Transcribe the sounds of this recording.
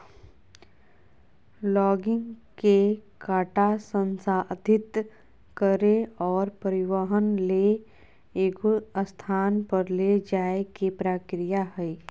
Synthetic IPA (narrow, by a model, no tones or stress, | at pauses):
lɔːɡɪ̃ŋɡkekaːʈasə̃nsaːd̪ʱɪt̪ | kəɾeɔːɾpəɾɪwəɦənle | eːɡoəst̪ʰaːnpəɾled͡ʒaːekipɾaːkɾijaɦɛi